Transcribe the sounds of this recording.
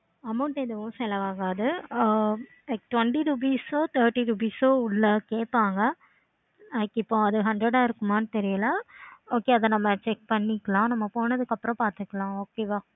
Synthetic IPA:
ɐmɐʊɳʈeðɐʋʊ̃sɛlɐʋaːɣaːðɯ | ɛkʈʋɐɳʈiɾup̬iːsoːt̪ɐːʈːiɾuːp̬iːsoːʊɭːɐkeːʈpːaːŋɡɐ | ɐkːɪpːõːɐðɯɦɐɳɖɾɐɽaːɪɾɯkːɯmaːnɯt̪ɛɾɪjɐlaoːkeːɐðɐnɐmːɐt͡ʃɛk̚pɐɳːɪkːɐɭãːnɐmːɐpoːnɐðɯkːɐpːɯɾɔ̃paːɾt̪ɯkːɐɭãːoːkeːʋaː

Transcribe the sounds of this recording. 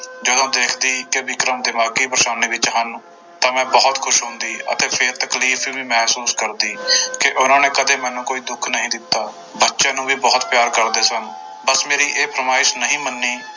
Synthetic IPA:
d͡ʒəd̪õːd̪eːkʰd̪iːkebɪkɾəmd̪eːmaːkiːpɾəʃaːniːbɪt͡ʃɦən | t̪ãːmɛ̃ːbɔːt̪kʰʊʃɦʊ̃ːnd̪iːʔə̰t̪eːpʰɪɾt̪əkliːfʰʋiːʋiːmɛːɦsuːskəɾd̪iːkɪʔʊnãːneːkəd̪eːmɛ̃ːnũːkoːiːd̪ʊkʰnəɦĩːd̪ɪt̪ːaː | bətːʃẽːnũːbiːbɔːt̪pjaːɾkəɾd̪eːsən | bəsmeːɾiːʔeːpʰəɾəmaːɪsnəɦĩːmənːiː

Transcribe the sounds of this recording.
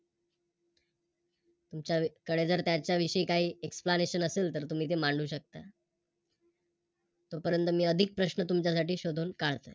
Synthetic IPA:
t̪umt͡ɕjakəɽed͡zəɾt̪jat͡ɕjaʋiʂəiːkaɦiːeksplaneɕənəselt̪əɾt̪um̤iːt̪̬emaɳɖuːɕək̚t̪a | t̪opəɾənt̪əmiːəd̪ʱik̚pɾəɕnət̪umt͡ɕjasaʈiːɕod̪ʱuːnkaɭt̪ə̰j

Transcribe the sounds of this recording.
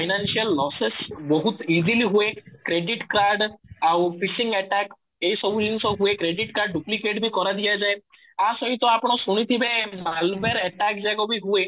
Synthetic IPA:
pʰajnanʃiəlːɔsesbɔɦut̪iziliɦuekɾeɖiʈkɾaɾɖawpisĩŋɡɛʈak | eisɔbʱulinsɔɦuekɾeɖiʈkaɾɖːuplikeʈbʱikɔɾad̪ijad͡ʒae | asɔɦĩt̪ɔapɽ̃ɔsuɽ̃it̪ʰibemalbeɾɛʈakd͡ʒaɡobʱiɦue

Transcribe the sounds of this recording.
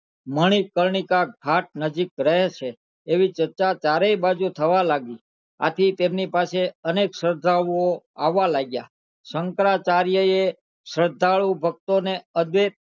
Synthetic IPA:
məɽ̃ikəɾɳ̃ikaɡʱaʈ̚nəd͡ʒikɾəɦet͡ʃʰeː | ʋit͡ʃəɾt͡ʃat͡ʃaɾeibad͡ʒut̪ʰəʋalaɡi | a̰t̪ʰit̪emnipaseəneksəɾd̪ʱaɭuo | aʋːalaɡja̰ | səŋkɾat͡ʃaɾjəe | səɾd̪ʱaɭubʱək̚t̪oneəd̪ʋet̪

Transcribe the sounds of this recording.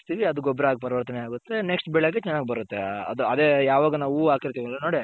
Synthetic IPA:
st̪iːʋiɐd̪uɡɔbɾɐaːɡipɐɾɐʋɐɾt̪ɐneaːɡut̪ːeneksʈbɛɭeɡet͡ʃɛnːaːɡibɐɾut̪ːeɐ̰d̪uɐd̪e̞ːjaːʋaːɡɐnaːʋuaːkiɾt̪iʋɐlːɐno̞ːɽi

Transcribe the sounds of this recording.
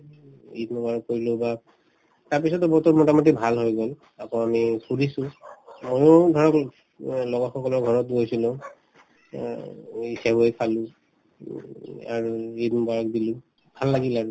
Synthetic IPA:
idnɔbaɹkkoɹilʊba | taɹpisɔtɔbɔtɔmɔtamɔt̬ibʱalɦojɡɔl | apɔ̃amipuɹisʊ̃mɔjʊdʱɔɹɔk | lɔɡɔxɔkɔlɔɹɡʱɔɹɔtɡojsilʊ̃ | isabuejkʰalʊ̃ | a̰ɹuidnbaɹk̚dilʊ̃ | bʱalːaɡilaɹu

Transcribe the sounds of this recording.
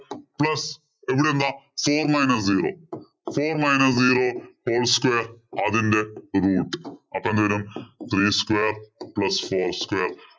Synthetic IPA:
plɐs | eʋiɽẽnd̪afoːɾmaɪnɐsziːɾo̰ː | foːɾmaɪnɐsziːɾoːhoːlskʋeːɾad̪ind̪eɾuːʈɐpɐ̃nd̪ʋeɾumt̪ʰɾiːskʋeːɾplɐsfoːɾskʋeːɾ

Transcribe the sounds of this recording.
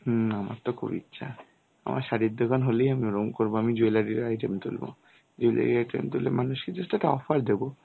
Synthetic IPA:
h̩ama̰ɾt̪oko̰bḭt̪ːɕʰa̰ | a̰mʔa̰ɾʃaɾid̪ʱːokanɦoleijamioɾomkoɾboamid͡ʑojlaɾiɾajʈemt̪ulbo̰ | d͡ʑoila̰ɾḭɾajʈḛmt̪ulemanuʃked͡ʑesʈaɛʈaɔfʰaɾd̪ebo

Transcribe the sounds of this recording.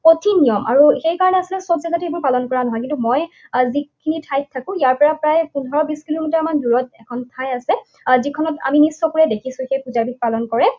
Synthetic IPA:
potʰinijɔmʔa̰ɹuxejkaɹɔnɛasilɛsobzaɡatiebɔɹpalɔnkɔɹanɔɦɔjk̬ĩntumɔj | zikʰinitʰajt̚tʰːakʊ̃ijaɹpɔɹapɹajpunɦɔɹɔbiskilomitaɹmanduɹɔt̚ɛkʰɔntʰːajasɛ | zikʰɔnɔta̰minisːɔkɔɹɛdekʰisʊ̃xejpuzabʱik̚palɔnkɔɹɛ

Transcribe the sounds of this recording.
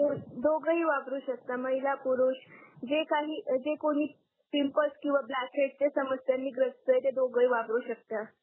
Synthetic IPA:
ud̪oɡɾəɦiːʋabɾuːɕək̚t̪aməɦilapuɾuɕd͡ʑekaɦiːd͡ʑekoɽ̃iː | pimpəlskĩw̃ʋablakʰeʈ̚t͡ɕesəməsjanːiːɡɾət͡st̪əjt̪ed̪oɡəɦiːʋabɾuːɕək̚t̪a

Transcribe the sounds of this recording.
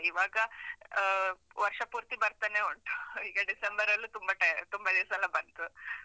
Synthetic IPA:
iʋaːɡɐ | ʋɐɾʂɐpuːɾt̪ibɐɾt̪aːneuɳʈuiːɡɐɖisembɐɾɐlːut̪umbɐʈɐt̪umbɐd̪iɾsɐlɐbɐnt̪u

